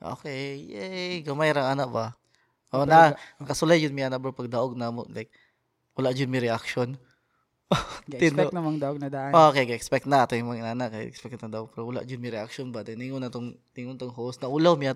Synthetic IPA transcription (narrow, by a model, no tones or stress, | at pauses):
ʔo̰kejɛɡɐmajɾɐŋanaʔba | ʔonakɐsʊlajd͡ʒʊnmɪʔanak̚bopɐɡ̚d̪ɐʔoɡ̚namola̰jk̚ | wɐlaʔd͡ʒʊnmɪɾɪʔak̚ʃon | t̪ɪnnɐmɐŋd̪ɐʔɡ̚nɐd̪aʔokejɡɐʔɛkspɛk̚t̪nɐt̪ojmɐŋɪnaːnakːa̰ɛkspɛk̚t̪nɐd̪aʔoɡ̚pɛɾowɐla̰ʔd͡ʒʊd̪mɪɾɛak̚ʃonbat̪ɛnɪŋonɐt̪oŋt̪ɪŋʊnt̪oŋɦosnɐʔulawmia